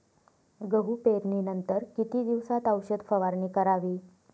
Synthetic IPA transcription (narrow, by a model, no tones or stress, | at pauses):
ɡəɦupeɾniːnənt̪əɾkit̪iːd̪iʋsat̪əwɕəd̪fəʋaɾɳiːkəɾaʋiː